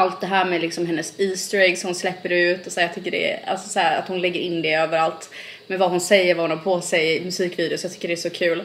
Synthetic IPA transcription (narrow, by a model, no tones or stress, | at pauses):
alt̪̚d̪ɛɦæːɾmɛlɪksɔmɦɛnːəsiːst̪ɾɛɡsɔhʊnslɛpːəɖɛʉ̟ːt̪ɔsæːjɑt̪ʰʏkːəɖɛ̰a̰lsɔsæːɾa̰t̪hʊnlɛɡːəɾʔɪnːd̪ɛøːvəɾalt̪ | mɛnvaɦʊnsɛjːəɾvahʊnhaɾpʰoːsɛjmɵsiːkviːd̪ɪʊsɔjat̪ʏ̥kːəɖɛːsɔkʰʉ̟ːl